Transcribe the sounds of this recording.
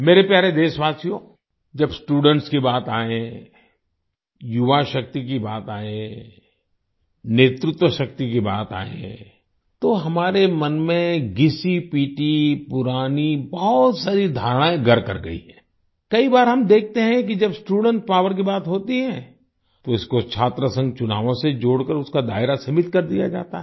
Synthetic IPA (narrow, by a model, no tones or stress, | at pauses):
meːɾepjaːɾed̪eːʃʋaːsijoː | d͡ʒɐbsʈuːɖə̃ɳʈskibaːt̪aːẽ | jʊʋaʃɐk̚t̪ik̬ibaːt̪aːẽ | neːt̪ɾɪt̪wəʃɐk̚t̪ik̬iba̰ːt̪a̰ːḛ̃ | t̪oɦɐmaːɾemɐnmẽɡɪsipiːʈipʊɾaːnibɐɦɔt̪saːɾid̪ʱaːɾɽ̃aːẽɡɐɾkɐɾɡɐḭɦɛ̃ː | kɐibaːɾɦɐmd̪eːk̚ʰt̪eɦɛ̃k̬id͡ʒɐbsʈuːɽə̃ɳʈ̚paːʋəɾk̬ibaːt̪ɦoːt̪iɦɛ̃ː | t̪oɪskot͡ʃʰaːt̪ɾəsɐ̃ŋɡt͡ʃʊnaːʋõsed͡ʒoːɽkəɾʊskad̪a̰ːɪɾasɐmɪt̪kɐɾd̪ija̰d͡ʒa̰ːt̪aɦ